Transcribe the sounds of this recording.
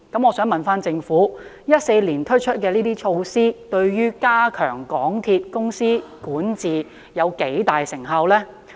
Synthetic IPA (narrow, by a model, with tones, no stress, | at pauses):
kɐ˨˥mɔː˨˧sœː˨˥ŋmɐ˨nfaː˥nt͡sɪ˧ŋfuː˨˥ | jɐ˥t̚se˧jliː˨˩nt̪ʰɵ˥t͡ʃʰɵ˥t̚kɛː˧liː˥t̪iː˥t͡ʃʰo˧wsiː˥t̪ɵ˧ɥɥyː˥kaː˥kʰœː˨˩ŋkɔː˨˥ŋt̪ʰiː˧t̚kʊ˥ŋsiː˥kuː˨˥nt͡siː˨ | jɐ˨˧wke˨˥jt̪aː˨jsɪ˨˩ŋɦɐ˧wlɛː˥